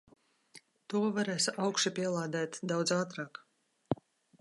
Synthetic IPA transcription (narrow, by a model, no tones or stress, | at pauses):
t̪uɔvaɾæːsawkʃipʲiɛlˠaːd̪æːt̪d̪awd̪zaːt̪ɾaːk